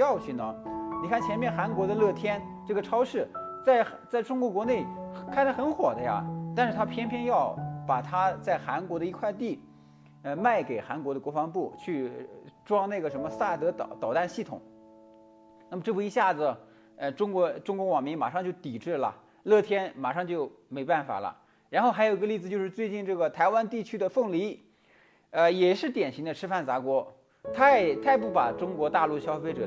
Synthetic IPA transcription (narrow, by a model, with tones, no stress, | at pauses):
jɑ˥˧ʊt͡ɕʰy˥˩nə˩ni˨˩kʰa˥˩nt͡ɕʰjɛ˧˥nmjɛ˥˩nxa˧˥nkwɔ˧˥d̪ə˧lɤ˥˩t̪ʰjɛ˥n | ʈ͡ʂɤ˥˩ɡə˩ʈ͡ʂʰɑ˥ʊʂɻ̩˥˩t͡sa˥˩ɪxt͡sa˥˩ɪʈ͡ʂʊ˥ŋkwɔ˧˥kwɔ˧˥ne˥˩ɪkʰa˥˩nt̪a˧˥xə˧˥nxwɔ˨˩d̪ə˦ja̰˧t̪a˥˧nʂɻ̩˥˧t̪ʰa˥pʰjɛ˥npʰjɛ˥˧njɑ˥˩ʊpa˨˩t̪ʰa˥t͡sa˥˩ɪxa˧˥nkwɔ˧˥d̪ə˧i˧˥kʰwa˥˧ɪt̪̬i˥˩ | ə˧ma˥˩ɪke˨˩ɪxa˧˥nkwɔ˧˥d̪ə˧kwɔ˧˥fɑ˧˥ŋpu˥˩t͡ɕʰy˥˩ʈ͡ʂwɑ˥ŋna˥˩ɡə˩ʂə˧˥nmə˧sa˥˩t̪ɤ˧˥t̪t̪ɑ˨˩ʊt̪a˥˧nɕi˥˩t̪ʰʊ̰˨˩˦ŋ | na˥˩mə˩ʈ͡ʂɤ˥˩u˧˩i˧˥ɕja˥˩d͡zɹ̩˩ | ə˧ʈ͡ʂʊ˥ŋkwɔ˧˥ʈ͡ʂʊ˥ŋkwʊ˧˥wɑ˨˩ŋmi˧˥ŋma̰˨˩ʂɑ˥˧ŋt͡ɕjo˥˩ʊt̪i˨˩ʈ͡ʂɻ̩˥˩lə̰˩ | lɤ˥˩t̪ʰjɛ˥nma̰˨˩ʂɑ˥˧ŋt͡ɕjo˥˩ʊ | me˧˥ɪpa˥˩nfa̰˨˩lə̰˦ | ɻa˧˥nxo˥˩xa˧˥jo˨˩i˧˥ɡə˧li˥˩d͡z̩˩t͡ɕjo˥˧ʊʂɻ̩˥˧t͡swe˥˧ɪt͡ɕi˥˧nʈ͡ʂɤ˥˩ɡə˩t̪ʰa˧˥ɪwa˥nt̪i˥˩t͡ɕʰy˥d̪ə˨fɤ˥˩ŋli˧˥ | ə˧jɛ˨˩ʂɻ̩˥˩t̪jɛ˨˩nɕi˧˥ŋd̪ə˧ʈ͡ʂʰɻ̩˥fa˥˩nt͡sa˧˥kwɔ˧˥ | t̪ʰa˥˩t̪ʰa˥˧ɪp̬u˥˩pa̰˨˩ʈ͡ʂʊ˥ŋkwɔ˧˥t̪a˥˧lu˥˩ɕjɑ˥ʊfe˥ɪʈ͡ʂɤ˨˩